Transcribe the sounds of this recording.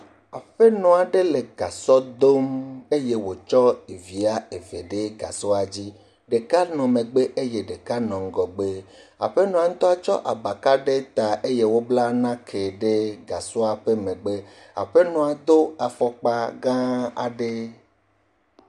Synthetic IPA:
a˨ɸe˦nɔ̃˨a˨ɖe˦le˨ɡa˨sɔ˦d̪o˦me˦je˦wo˨t͡ʃɔ˦e˨vi˨a˦e˨ve˨ɖe˦ɡa̰˨sɔ˦a˨d͡ʑi˦ | ɖe˨ka˦nɔ̃˨mẽ˨ɡ͡be˦ʔe˦je˦ɖe˨ka˦nɔ̃˨ŋ˦ɡɔ˨ɡ͡be˦ | a̰˨ɸe˦nɔ̃˨a˨ŋ̩̃˦t̪ɔ˦a˨t͡ʃɔ˦ʔa˨ba˨ka˦ɖe˦t̪a˨ʔe˦je˦wo˦bla˦nã˦kʰe˨ɖe˦ɡa˨sɔ˦a˨ɸe˦mẽ˨ɡ͡be˦ | a̰˨ɸe˦nɔ̃˨a˨d̪o˦a˨fɔ˦k͡pa˦ɡã˦a̰˨ɖe˦

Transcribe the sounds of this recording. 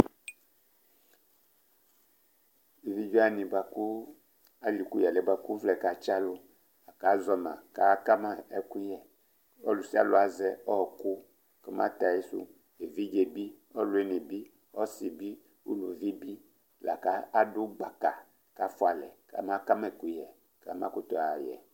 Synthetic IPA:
e˨vi˦d͡ʒɔ˦a˦nĩ˨ba˨ku˦ | a˦li˨ku˦ja˨lɛ˨ba˨ku˦vlɛ˨ka˨t͡ʃa˦lo˦ | a˨ka˨˦zɔ˨nã̰˨ka˨˦ka˦ma˦˨ɛ˦ku˦jɛ˨ | ɔ̰˦lu˨si˦a̰˦˨lo˦a˨zɛ˦ɔ˦˨ku˦ | kɔ˦ma̰˦t̪a˨e˦sṵ˦ | e˨vi˦d͡ʒe˨bi˦ɔ˦lʊ˨˦e˦ni˨bi˦ | ɔ˦si˨bi˦ | ṵ˦lu˨vi˦bi˦ | la̰˨ka˨˦a˦dʊ˦ɡ͡ba˨ka˨ | ka˨˦fʊ˦a˨lɛ˨ka̰˨˦ma˦ka˦m˦ɛ˨ku˨˦jɛ˨ | ka̰˨˦mã̰˦ku˦t̪ɔ˨a˨jɛ̰˨

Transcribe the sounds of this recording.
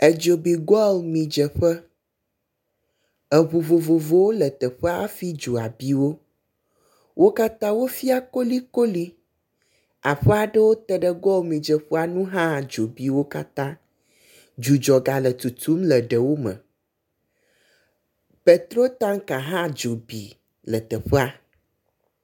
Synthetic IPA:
ə˨d͡ʒo˨bi˨ɡɔ˦lmĩ˨d͡ʒə˨ɸə˦ | ə˨βo˨vo˨vo˨vo˦wo˦lə˨t̪ə˨ɸə˦a˦fi˦d͡ʒo˨a˨bi˦wo˦ | wʔo˦ka˦t̪ã˦wo˦fi˦a˦ko˦li˦ko˦li˦ | a˨ɸɛ˦a˨ɖə˦wo˦t̪ɛ˦ɖə˦ɡɔ˦o˦mĩ˨d͡ʒə˨ɸe˦a˨nũ˦ɦã˦˨d͡ʒo˨bi˨wo˦ka˦t̪ã˦ | d͡ʒu˨d͡ʒɔ˨ɡa˨lə˨t̪u˨t̪u˦mlə˨ɖə˨wo˦mə̰̃˨ | pe˨t̪ɾo˦t̪ã˦ŋkã˨ɦã˦d͡ʒo˨bi˨ | lə˨t̪ɛ˨ɸɛ˦a˦

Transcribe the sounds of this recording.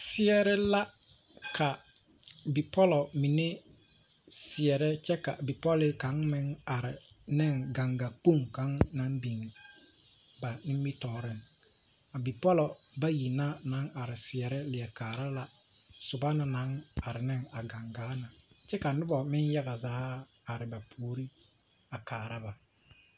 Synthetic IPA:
sɪ˦ɛ˦ɾɛ˦la˦ | kʰa˨ | bi˨pɔ˦lɔ˨mi˨ne˦ | sɪ˨ɛ˨ɾɛ˦t͡ʃɛ˦ka̰˨bi˨pɔ˦lɪ˦ka˨˦ŋmɪ˦ŋa˨ɾɪ˨ | nɪ˦ŋɡa˨ŋɡa˨po˦˨ŋka˨˦ŋna˦mbi˨ŋ | ba˨nɪ˦m˦i˦tɔː˨ɾɪ˦n | a˨bi˨pɔ˦lɔ˨ba˦ji˨na˦na˨˦ŋa˨ɾɪ˨sɪ˨ɛ˨ɾɛ˦lɪ˨ɛ˨kaː˨ɾa˦la˨ | sʊ˨ba˦na˨na˨˦ŋa˨ɾɪ˨nɪ˦ŋa˨ɡa˨ŋɡaː˨˦na˨t͡ʃɛ˦ka˨nʊ˦bɔ˨mɪ˦n˦ja˦ɡa˨zaː˦ | a˨ɾɪ˨ba˨pʰoː˨˦ɾi˦ | a˨kaː˨ɾa˦ba˨

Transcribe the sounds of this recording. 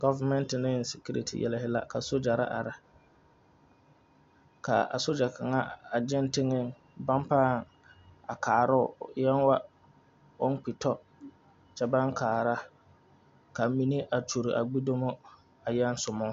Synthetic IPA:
ɡɔ˦va˦mɛ˦ntɪ˨nɪ˦n˨si˨ki˦ɾḛ˨tʰḭ˨jɛ̰˨lɪ˦hɪ˦la̰˦ka˨so˦d͡ʒa˨ɾa̰˦ʔa̰˨ɾa˦ | ka̰˨a̰˨so˦d͡ʒa˨ka˨ŋa˦a˨d͡ʒɪ˦n˦tɪ˦ŋɪ˦ŋ | ba˦mpaː˦˨ŋ | a˨kʰaː˨ɾʊ˦ʊ˨jɛ˦nwa˦ | ʊ˦n˦k͡pi˨tɔ˦ | t͡ʃɛ˨ba˦ŋkʰaː˨ɾa˦ | ka˨mi˦ni˦ʔa˨to˨ɾi˨ʔa̰˨ɡ͡bi˦do˦mɔ˦ | a˨jɛ˦n˦sʊ˨mʊ˦

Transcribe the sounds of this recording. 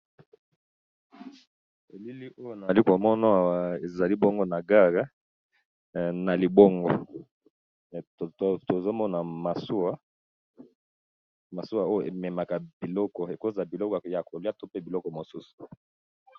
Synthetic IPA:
e˨li˦li˦ʔo˦jo˦na˨li˦ko˨mɔ˦na˦˨wa˨e˨za˨li˦bɔ˦ŋɡɔ˦na˨ɡa˦ʁa˦ | na˨li˨bɔ˦ŋɡɔ˦˨ | tto˨zo˦mɔ˦na˨ma˨su˦a˦ | ma˨su˦a˦˨o˦jo˦˨ʔe˨mɛ˨ma˨ka˨b̥i˨lɔ˦kɔ˨e˨ko˦za˨bi˨lɔ˦kɔ˨ja˨ko˨li˦a˦to˦pe˦bi˨lɔ˦kɔ˨mo˨su˦su̥˨

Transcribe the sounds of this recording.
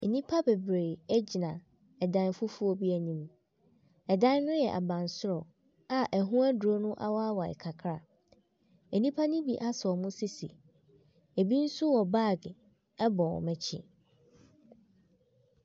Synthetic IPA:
e˨nĩ˦pʰa˦be˨bɾe˨ɛ˦d͡ʑi˨nã˨ | ɛ˨dã˦n˦fʊ˦fu˦ɔ˦bi˦æ˨nĩ˨m | ɛ˨dã˦nː˦ʊ̃˦jɛ˨ʔa̰˨bã˨n˨sʊ˦ɾɔ˨ | a˨ʔɛ˨ɦʊ̃˦æ˦dʊ˨o˦nʊ̃˦ʔa̰˦wɔ˦a˦wa˨ɛ̰˨kʰa˨kʰɾa˨ | ɛ˨nĩ˦pʰa˦nĩ˦bi˨ʔa˦sɔ˨mʊ̃˦si˦sḭ˨ | e˨bi˦n̩˦sʊ˦wɔ˨baː˦˨ɡɪ˨ | ɛ˦bɔ˨ɔ̰˨mɛ̃˨t͡ɕʰɪ̰˨

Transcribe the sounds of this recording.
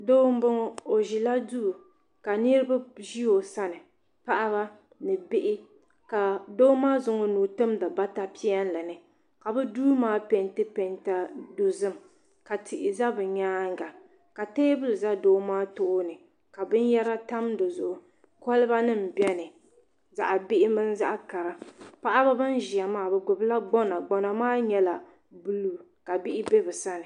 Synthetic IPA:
doː˦m̩˦bɨ˦ŋɔ˦o˨ʒi˨la˦du˦ʔ | ka˨ni˦ɾɨ˦ba˦ʒi˦o˨sa˦nɨ˨ | pa˦ʔa˦βa˦ | nɨ˨bɪ˦ʔɪ˦ | ka˨doː˦maː˦zʊ˨ŋɔ˦nuː˨tɨ˦mda˨ba˦ta˦pi˦a˦n˦lɨ˨nɨ˨ | ka˨bɛ˦duː˦maː˦pɛ˨˦ntɨ˦pɛ˨nta˨do˨zɨ˦m | ka˨tʰɪ˨ʔɪ˨za˦bɨ˨ɲaː˦ŋ˦ɡa˨ | ka˨teː˦bɨ˦lɨ˨za˦doː˦maː˦tʊ˦ʔʊ˦nɨ˨ | ka˨bɨ˦n˦jɛ˦ɾa˦ta˦mdo˨zʊ˨ʔʊ˨ | kɔ˦lɨ˦ba˦nɨ˦m̩˨bɛ˦nɨ˨ | za̰˨ʔa˨bɪ˦ʔɪ˦mɨ˦n˦za˦ʔa˦ka˨ɾa˨pa˦ʔa˦ba˦bɨ˦n˦ʒi˨a˨maː˦bɛ˨ɡʊ˨bla˦ɡ͡bɔ˦na˨ɡ͡bɔ˨na˨maː˦ɲɛ˦la˨ | bu˦lu˦ka˨bɪ˦ʔɪ˦be˦bɛ˨sa˦nɨ˨

